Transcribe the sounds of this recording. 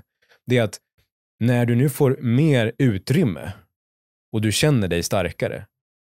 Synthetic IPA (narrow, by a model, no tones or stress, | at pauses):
d̪ɛat̪ | næɖɵnʉ̟ːfoːɾmeːɾʉ̟ːt̪ɾʏmːə̰ | ɔd̪ɵɕɛnːəɖɛjst̪aɾkaɾə̰